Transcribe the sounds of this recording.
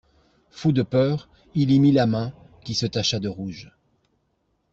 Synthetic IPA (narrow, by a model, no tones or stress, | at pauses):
fud̪əpœːʁ | ilimilamɛ̃ | kʲisət̪aʃad̪əʁuʒ